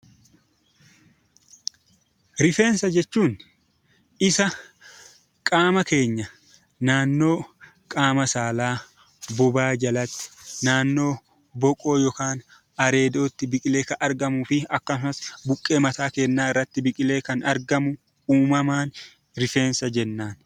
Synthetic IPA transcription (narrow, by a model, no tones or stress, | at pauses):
ɾɪfe̞ːnsɐd͡ʒɛt͡ʃːuːn | ʔɪsɐ | kʼaːmɐke̞ːɲːɐ | naːnːo̞ː | kʼaːmɐsaːlaː | bʊbaːd͡ʒɐlɐt̪ːɪ̥naːnːo̞ː | bɔkʼo̞ːjɔkaːn | ɐɾe̞ːd̪o̞ːt̪ːɪbɪkʼɪle̞ːkɐɐɾɡɐmʊfɪɐkːɐsʊnɐsbʊkʼːe̞ːmɐt̪aːkeːnːaːɪrːɐt̪ːɪbɪkʼɪle̞ːkɐnɐɾɡɐmʊ | uːmɐmaːn | ɾɪfe̞ːnsɐd͡ʒɛnːaːn